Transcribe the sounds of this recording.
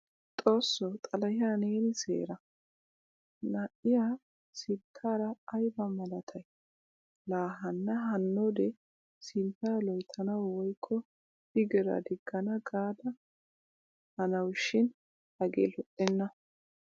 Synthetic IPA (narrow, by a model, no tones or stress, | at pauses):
t̪ʼo̞ːsːɔwt̪ʼɐlɐjaːneːnsḛːɾɐ | nɐʔɪjaː | sɪt̪ʰːaːɾɐːjbɐmɐlɐt̪ʰɐj | laːɦɐnːɐɦɐnːod̪ɛ | sɪnt̪ːaːlɔjt̪ʰːɐnɐwwɔjkʰːɔ | bɪɡɛɾɐ̰d̪ɪɡ̥ːɐnɐɡaːd̪ɐ | hɐnɐwʃːɪn | hɐɡḛːlɔʔʼːɛnːɐ